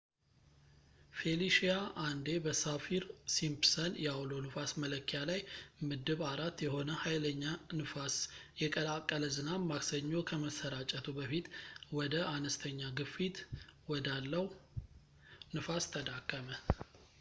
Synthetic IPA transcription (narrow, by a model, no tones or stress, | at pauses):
fe̞liʃijaʔand̪e̞bəsafiɾsimpsənjɛawlo̞nɨfasmələkːijalajmɨd̪ɨβaɾat̪jɛho̞nəhajləɲːanɨfasjɛkʼəlakʼːələzɨnamaksəɲːo̞kʰəməsːəɾat͡ʃʼət̪ʰubəfit̪wɔd̪əʔanəst̪ʰəɲːaɡɨfit̪wɔd̪alːəw | nɨfast̪ʰəd̪akʼːəmə